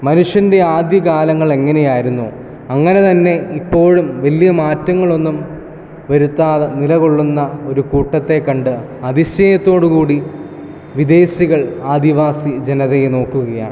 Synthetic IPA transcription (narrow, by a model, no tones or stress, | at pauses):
mɐnuʂjɐnde̞aːd̪jɐkaːlɐŋːɐɭe̞ŋːɐne̞jaːjiɾunːu | ɐŋːɐne̞t̪ɐnːe̞ipːo̞ːɻumʋɐlijɐmaːtːɐŋːɐɭo̞nːum | ʋɐɾut̪ːaːðɨnilɐɣo̞ɭːunːɐo̞ɾukuːʈːɐt̪ːe̞kːɐɳɖɨ | ɐðiɕejɐt̪ːo̞ːɽukuːɽi | ʋid̪e̞ːɕiɣɐɭaːd̪iʋaːsid͡ʑe̞nɐðejeno̞ːkːuɣɐja̰ː